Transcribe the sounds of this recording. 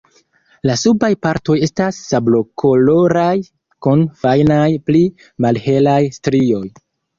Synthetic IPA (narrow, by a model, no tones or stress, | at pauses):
lasubajpaɾto̞je̞stasːablo̞kʰo̞lo̞ɾaj | kunfajnajpli | malhe̞lajstɾio̞j